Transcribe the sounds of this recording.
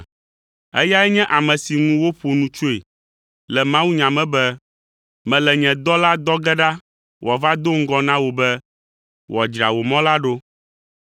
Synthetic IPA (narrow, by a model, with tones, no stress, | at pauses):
ɛ̰˦ja˦ɛ˦ɲɛ̃˦ʔa˨mɛ̃˨si˨ŋũ˦wo˦ɸo˨nũ˨t͡ʃo˦e˨ | lɛ˨mã˦wu˦ɲã˨mɛ̃˦bɛ˦ | mɛ̃˨lɛ˨ɲɛ̃˨d̪ɔ˦la˦d̪ɔ˦ɡɛ˦ɖa˦ | wʔɔ˨va˦d̪o˦ŋ̩˦ɡɔ˦nã˦wo˨bɛ˦ | wɔ˨d͡ʒɾa̰˨wo˨mɔ̃˦la˦ɖo˦